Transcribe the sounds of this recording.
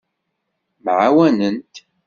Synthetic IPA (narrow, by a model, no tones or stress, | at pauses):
mʕawænənt̪